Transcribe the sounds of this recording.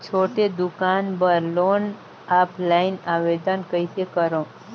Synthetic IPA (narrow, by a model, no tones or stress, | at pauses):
t͡ʃʰoʈed̪ukanbəɾlon | aplainaʋed̪ənkəitekəɾõ